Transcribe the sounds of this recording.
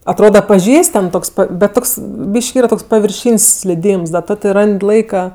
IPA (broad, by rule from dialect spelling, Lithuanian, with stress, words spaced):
ɐtˈroːdɐ pɐˈʒʲiːsʲtʲ tʲɛn ˈtoːks pɐt bʲɛt ˈtoːks ˈbʲiːʃʲkʲɪ ˈiːrɐ ˈtoːks pɐʋʲɪrʲˈʃʲiːnʲsʲ sʲlʲɪˈdʲiːms dɐ ˈtoː tʲɪ ˈrɐnʲtʲ ˈlˠɐɪkɐ